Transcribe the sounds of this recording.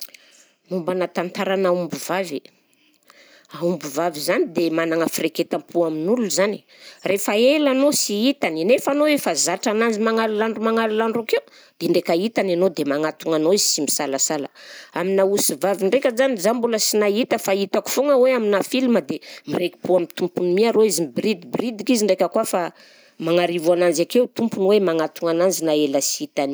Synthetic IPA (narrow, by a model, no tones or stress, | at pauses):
numbanat̪ant̪aɾanaumbuvave | aumbuvavizanid̪emanaŋəfireket̪ampʰuaminululuzani̥ | refaelanosiit̪aninefanoefazaʈ͡ʂanand͡zimaŋalulaɳɖ͡ʐumaŋalulaɳɖ͡ʐakeu | d̪̥eɳɖ͡ʐekait̪ananod̪emaŋat̪uŋanoizi̥simisalasalə̰aminausivaviɳɖ͡ʐekʲəzanizambuləsinait̪əfait̪aku̥foŋəweaminafiliməd̪emireki̥puamit̪umpunmiaɾoizimbɾid̪ibrid̪ikiziɳɖ͡ʐekʲəkuafa | maŋaɾivuanand͡ʒakewt̪umpunwemaŋat̪uŋanand͡ʒinaeləsiit̪ani